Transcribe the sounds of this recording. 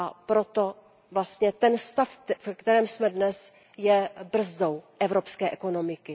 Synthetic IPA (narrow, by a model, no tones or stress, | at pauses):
apɾot̪o | vlast̪ɲɛt̪ɛnst̪affɛkt̪ɛɾɛːmsmɛdnɛs | jɛbr̩zdowʔɛvɾo̞pskɛːʔɛko̞no̞mɪkɪ